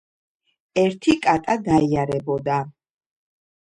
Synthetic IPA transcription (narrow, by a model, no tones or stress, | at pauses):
ɛɾt̪ʰikʼat̪ʼad̪aiaɾɛbɔd̪a